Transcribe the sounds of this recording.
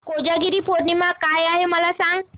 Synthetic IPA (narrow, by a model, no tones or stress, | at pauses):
kod͡ʒaɡiɾipʰoɾnimakajaɦemalasaŋ